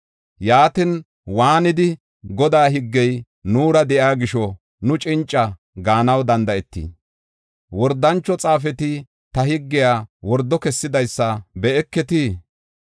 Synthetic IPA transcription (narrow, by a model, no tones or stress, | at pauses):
jaːt̪ɪn | waːnɪd̪ɪ | ɡɔd̪aːɦɪɡːɛj | nuːɾɐd̪ɛʔjaːɡɪʃɔ | nʊt͡ʃʼɪnt͡ʃʼːɐ | ɡaːnɐwd̪ɐnd̪ɐɛt̪ːḭː | wɔɾd̪ɐnt͡ʃːɔt͡sʼaːf̬ɛt̪ɪ | t̪ɐhɪɡːɪjaːwɔɾd̪ːɔkɛsːɪd̪ɐjsːɐbɛɛkːɛt̪iː